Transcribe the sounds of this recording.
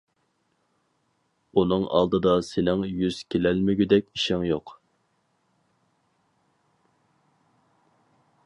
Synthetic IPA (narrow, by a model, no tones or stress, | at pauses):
unɨŋʔɑ̰lˠd̪ɨd̪ɑsɪnɪŋjyz̥kʲelælmɪɡʲyd̪ɛkʲiʃɪŋjoq